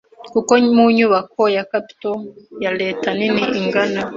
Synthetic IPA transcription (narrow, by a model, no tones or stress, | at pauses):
kukomuɲuβakojakapi̥tojaleːtaniniʔiŋɡana